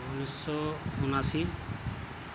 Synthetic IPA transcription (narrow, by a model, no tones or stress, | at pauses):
unisːɔunasi